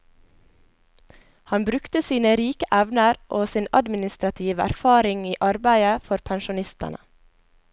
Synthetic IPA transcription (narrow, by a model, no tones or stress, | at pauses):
hɑnbɾʉkt̪əsiːnəɾiːkəʔæʋnəɾʔoːsiːnɑd̪mɪnɪst̪ɾɑt̪ʰiːʋəʔæ̰ɾfɑːɾɪŋiːʔɑɾbæɪəfɔɾpʰænʃʊnɪst̪ə̰nʔə̰